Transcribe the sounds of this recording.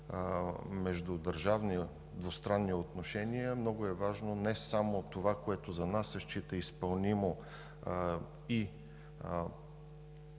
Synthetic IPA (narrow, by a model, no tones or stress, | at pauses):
mɛʒd̪ʊd̪ɐɾʒavni | d̪vost̪ɾanːiot̪noʃɛniəmnɔɡʊɛvaʒnonɛsamot̪ovakoɛt̪ozɐnasɛʃt͡ʃit̪əispɐlˠnimo | i